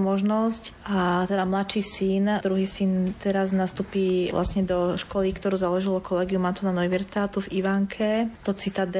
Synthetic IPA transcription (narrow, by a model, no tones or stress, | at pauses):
mɔʒnɔscat̪ɛd̪amlat̪ʃiːsind̪ɾuɦiːsint̪ɛɾaznast̪uːpiʋlʔa̰sɲɛd̪ɔʃkɔlikt̪ɔɾuːzalɔʒilɔkʰɔlɛːɡiumat̪ɔnanɔʋiɾt̪at̪uviʋaŋkʰɛt̪ɔt͡sit̪ad̪ɛ